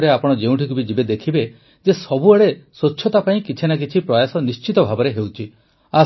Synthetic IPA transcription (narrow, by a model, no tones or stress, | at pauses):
ɾeapɔɽ̃ɔd͡ʒeũʈʰikubid͡ʒibed̪ekʰibe | d͡ʒesɔbuaɽesotːʃʰɔt̪apaĩkit͡ʃʰinak̬it͡ʃʰipɾɔjasɔnist͡ʃit̪ɔbʱabɔɾeɦewt͡ʃʰi | a